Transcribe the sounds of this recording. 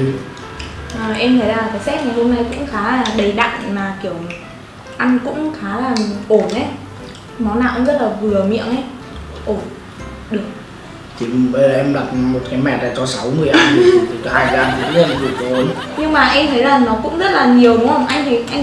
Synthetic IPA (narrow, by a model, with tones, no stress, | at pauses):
ʔəː˨˩ʔɛ˧mt̪ʰə˨˦jzaː˨˩t̪a˨˦jsɛ˦˥t̚ŋa˨˩jho˧mna˧jkʊ̰˧˥ŋ͡mxaː˨˦laː˨˩ɗə˨˩jɗa̰˧˨ŋmaː˨˩ki˧˩əw | ʔa˧jŋ̟kʊ̰˧˥ŋ͡mxaː˨˦laː˨˩˨ʔo˧˩nʔə˨˦j | mɔ˨˦na̰ː˧˩˨ʔkʊ̰˧˥zə˦˥t̚laː˨˩vɨ˨˩əmḭ˧˨əŋʔə˧˦j | ʔo˧˩n | ɗɨ˨˩ək̚ | t̪ʰi˨˩ɓə˧zʔɛ˧mla˨˩t̚mo˨˩t̚kaː˨˦jmɛ̰˧˩t̚laː˨˩t͡ɕɔ˧sa˨˦wmɨ˨˩əjʔa˧jt̪ʰi˨˩˨haː˧jzaː˧˩ŋi˨˩ku˧˦hə˧˩n˧˩ki˨˩ək̚kɔ˨˦o˨˦nɲɨ˧ŋmaː˨˩ʔɛ˧mt̪ʰə˨˦jzaː˨˩ŋnɔ˨˦kʊ̰˧˥ŋ͡mzə˦˥t̚laː˨˩ɲi˨˩əwʊ˨˦ə˧wŋ͡mʔa˧jŋt̪ʰə˨˦jʔa˧